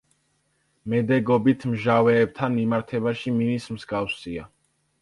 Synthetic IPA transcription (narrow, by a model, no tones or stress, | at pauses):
mɛd̪ɛɡɔbit̪ʰmʒavɛːb̚t̪ʰanmimaɾt̪ʰɛbaʃiminismzɡafsia